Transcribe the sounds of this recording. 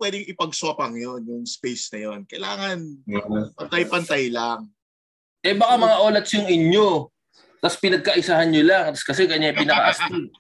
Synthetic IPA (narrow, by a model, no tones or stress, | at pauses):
pwɛd̪ɪŋɪpɐɡ̚sɐpɐŋjo̞njʊŋspejsnɐjo̞nkɐjlaːŋɐnpɐnt̪ɐjpɐnt̪ajlaŋ | ʔɛbɐkamɐŋaʔoːlɐt̪̚sjʊŋɪɲo | t̪ɐspɪnɐɡ̚kɐʔɪsahɐnɲolaŋt̪ɐskɐs̬ɛkɐɲajpɪnɐkɐʔɐsn